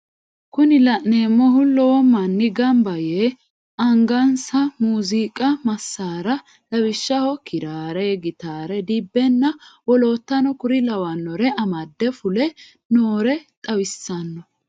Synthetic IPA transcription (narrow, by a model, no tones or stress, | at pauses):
kʊnɪlɐʔneːmːɔɦʊlɔːɔmɐnːɪɡɐmbɐjeː | ɐŋɡɐnsɐmuːziːkʼɐmɐsːaːɾɐ | lɐwɪʃːɐhɔkʰɪɾaːɾɛɡɪt̪aːɾɛd̪ibːɛnːɐwɔlo̞ːt̪ːɐnɔkʊɾɪlɐwɐnːɔɾɛʔɐmɐd̪ːɛfʊlɛ | noːɾɛt̪ʼɐwɪsːɐnːɔ